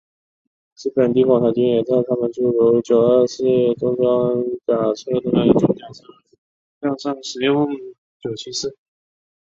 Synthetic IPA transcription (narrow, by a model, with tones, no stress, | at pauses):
t͡s̩˥˩pə˨˩nt̪i˥˩kwɑ˨˩ŋt̪ʰa˧˥t͡ɕy˥njɛ˨˩t͡sɪt̪ʰa˥mə˨nt͡ɕu˥˩ɻu˧˥t͡ɕjo˨˩ʊə˥˧sɹ̩˥˩ʈ͡ʂʊ˥ŋʈ͡ʂɑ˥ŋt̪a˨˩ʈ͡ʂʰt̪ʊ˥ŋna˥˩i˥˩t͡ɕo˥˩jɑ˥˩˥ | jɑ˥˧ʂɑ˥˩ŋʂɻ̩˧˥jʊ˥˩ŋ | t͡ɕjo˨˩ʊt͡ɕʰi˧˥sɹ̩˥˩